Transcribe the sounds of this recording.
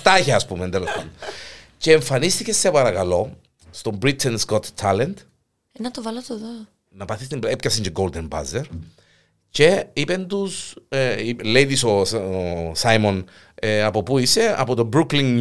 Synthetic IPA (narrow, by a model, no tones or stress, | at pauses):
t̪ɐçeɐspumend̪elospɐ̰nd̪oceːɱfɐnist̪icesːepɐɾɐkɐlo̞ | st̪o̞mbɾit̪ʰːenskot̪t̪ʰːɐlend̪ | enɐt̪ovɐlot̪oðo | nɐpɐθist̪imbepcɐsiɲɟeɡold̪enbɐ̰zeɾ | ce̞ipend̪usilejðiso | sɐjmon | ɐpopuise̞ɐ̰pot̪obɾuklin